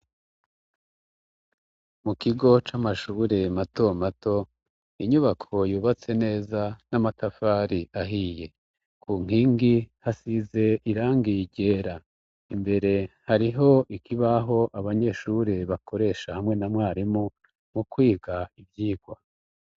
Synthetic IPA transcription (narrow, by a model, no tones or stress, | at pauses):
mukiɡo̞t͡ʃamaʃuːɾe̞mato̞mato̞ | iɲuβakʰo̞juːβat͡se̞ne̞ːzanamatafaɾiʔaɦiːje̞ | kʰuŋ̥iːŋɡihasize̞iɾaːŋɡijiɟe̞ːɾa | imbe̞ɾe̞haɾiɦo̞ʔikʰiβaɦo̞ʔaβaɲe̞ːʃuɾeβakʰo̞ɾe̞ːʃahamŋe̞namŋaːɾimu | mukwiːɡaivjiːɡwa